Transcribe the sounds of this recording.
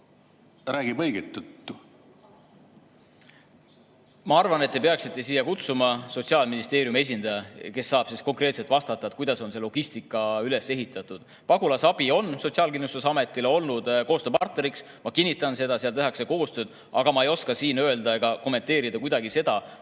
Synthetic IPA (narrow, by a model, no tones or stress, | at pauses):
ræːɡ̥ibɤjɡet̪ːut̪ːˑu | mɑɑrvɑne̞t̪ːe̞pe̞ɑksit̪ːˑe̞siːjɑkut̪sumɑso̞t̪siɑːlminist̪e̞ːɾjume̞s̬ʲind̪̥ɑjɑke̞sːɑːb̥sisko̞ŋkre̞ːt̪se̞lt̪vɑst̪ɑt̪ːˑɑet̪̚kujd̪ɑso̞nse̞lo̞ɡ̥ist̪ikːˑɑyle̞se̞ɦit̪ːˑɑt̪ːˑud̪̥ | pɑɡ̥ulɑsɑb̥io̞nso̞t̪ʲsiɑːlkinlust̪usɑme̞t̪ːˑileo̞lnud̪̥ko̞ːst̪øːpɑrt̪ne̞ɾiks | mɑkinʲːit̪ːˑɑnse̞d̪̥ɑsiɑlt̪e̞ɦɑkseko̞ːst̪ø̞ːd̪̥ | ɑɡ̥ɑmɑejo̞skɑsiːnøe̞ld̪ɑe̞ɡ̥ɑko̞mːe̞nt̪e̞ːɾid̪ɑkujd̪ɑɡise̞d̪̥ɑ